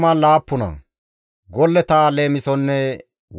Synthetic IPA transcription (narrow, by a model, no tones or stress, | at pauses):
malaːpːʊnɐ̰ | ɡɔlːɛt̪aːleːmɪsɔnːɛ | w